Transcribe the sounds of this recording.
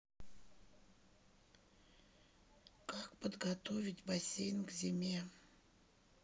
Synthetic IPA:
kakpəd̪ɡat̪ovʲɪtʲbasʲejnkzʲemʲe

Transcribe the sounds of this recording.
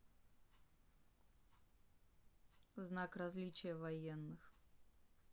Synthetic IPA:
znakrɐzʲlʲit͡ɕɪjəvɐjenːɨx

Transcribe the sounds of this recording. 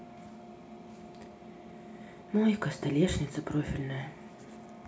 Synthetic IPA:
nɔjikɐst̪alʲɛʂnʲit̪sɐpɾɔfʲilʲnɐjɐ

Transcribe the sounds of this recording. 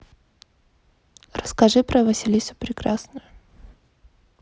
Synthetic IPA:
rəskɐʐɨpɾəvɐsʲilʲisʊ̥pɾʲɪkɾasnʊjʊ

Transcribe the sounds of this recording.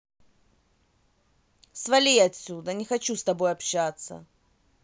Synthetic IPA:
svɐlʲijɐtʲsʲːud̪ənʲɪxɐt͡ɕust̪ɐbo̞jɐpɕːat̪sə̰

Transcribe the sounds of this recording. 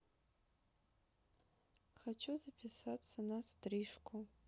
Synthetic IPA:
χat͡ʃʰuzapʰʲisat͡sʰːanastriʂkʰʷʊ

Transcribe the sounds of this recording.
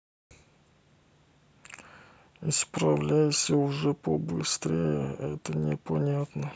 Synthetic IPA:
ɪspɾɐvlʲæjɪsʲəʊʐɛpəbɨst̪ɾʲejəɛt̪ənʲɪpɐnʲat̪nə

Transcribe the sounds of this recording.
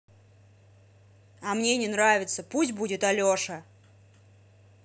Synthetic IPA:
ɐmnʲenʲɪnravʲɪt̪səpusʲt̚ʲbudʲɪt̪ɐlʲoʂə

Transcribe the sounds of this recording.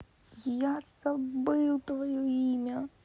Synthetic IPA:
jasɐbɨw̪ˠt̪ʋɐjɔimʲɐ

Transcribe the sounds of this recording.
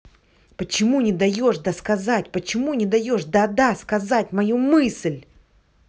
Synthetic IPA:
pət͡ɕɪmunʲɪd̪ɐjoʂd̪əskɐzatʲpət͡ɕɪmunʲɪd̪ɐjo̞ʂd̪ɐd̪askɐzatʲmɐjumɨslʲ

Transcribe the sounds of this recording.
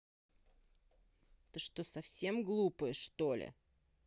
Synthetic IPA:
t̪ɨʂt̪osɐfsʲe̞mɡlˠupəjəʂt̪o̞lʲɪ̰

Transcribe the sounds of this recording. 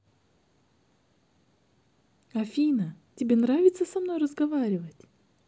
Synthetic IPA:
ɐfʲijnətʲɪbʲenravʲɪt̪səsɐmnojrəzɡɐvaɾʲɪvətʲ

